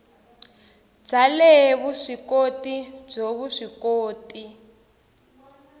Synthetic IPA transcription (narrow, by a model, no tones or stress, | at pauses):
d͡zalɛβuʂikotib͡ʐoβuʂikoːtʼi